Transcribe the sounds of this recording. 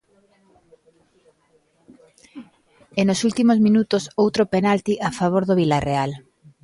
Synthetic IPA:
enosult̪imozmĩnut̪osowt̪ɾopenalt̪iʔafaβ̞oɾðoβilareal

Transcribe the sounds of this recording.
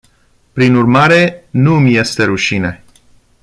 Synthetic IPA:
pɾinurmaɾe̞nuɨmje̞st̪e̞ɾuʃine̞

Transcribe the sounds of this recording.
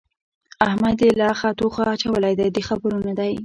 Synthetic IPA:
ahmad̪elɑxat̪oxaːt͡ʃawəlajd̪ajd̪əxabəɾunad̪aj

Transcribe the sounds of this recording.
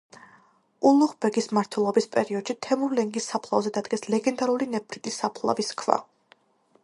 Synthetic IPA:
ulˠuχbɛɡismaɾt̪ʰwɛlˠɔbispʼɛɾiɔd̪̥ʃit̪ʰɛmuɾlɛŋɡisːapʰlˠa̰vzɛd̪ad̪ɡɛslɛɡɛnd̪aɾulinɛpʰɾit̪ʼisːapʰlˠa̰viskʰva̰

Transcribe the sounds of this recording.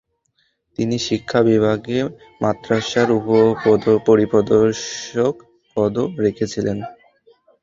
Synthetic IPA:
t̪iniʃikʰːabibʱaɡe | mat̪ːɾaʃaɾupopod̪opoɾipod̪oɾʃok | pɔd̪oɾekʰet͡ɕʰilen

